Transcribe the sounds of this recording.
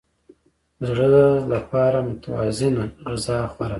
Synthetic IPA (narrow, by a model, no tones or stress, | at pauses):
zɽəlapɑɾamʊt̪awɑ̰zɪnaɾazɑxwaɾa